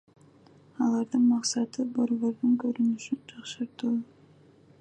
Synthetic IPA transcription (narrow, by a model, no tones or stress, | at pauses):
ɑlˠɑɾd̪ɯnmɑqsɑt̪ɯboɾβo̞ɾd̪uŋkɵɾynyʃynd͡ʒʰɑqʃɯɾt̪ɯlˠ